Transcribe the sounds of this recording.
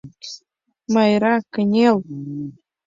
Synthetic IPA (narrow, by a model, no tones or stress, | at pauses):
majɾakəɲel